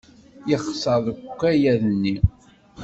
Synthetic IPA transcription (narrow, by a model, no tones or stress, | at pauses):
jəχsəðˤkʷːæjæðənːi